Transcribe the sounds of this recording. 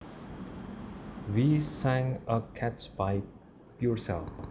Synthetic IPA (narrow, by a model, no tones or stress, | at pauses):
ʋisæ̃ŋəkʰæt͡ʃbaɪ | pjuɾsɛ̰lf